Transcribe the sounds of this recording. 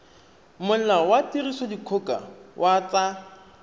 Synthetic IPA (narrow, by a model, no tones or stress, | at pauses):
mʊl̩lawatirisɔdikʰʊkʼa̰wʔat͡sa